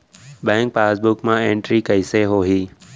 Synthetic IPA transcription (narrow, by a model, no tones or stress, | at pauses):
ɓɛ̃ːŋk̚paːsbʊkmãẽːɳʈɾiːkəiseɦoːɦiː